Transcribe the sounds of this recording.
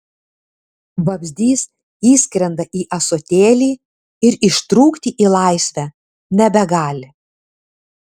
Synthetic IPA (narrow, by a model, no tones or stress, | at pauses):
bɐbʲzʲd̪ʲiːs | iːsʲkʲɾʲɛnd̪ɐʔiːʔɐsot̪ʲeːlʲiː | ɪɾɪʃt̪ɾuːkt̪ʲiːʔiːlˠɑˑɪsʲʋʲæ | nʲɛbʲɛɡɑːlʲɪ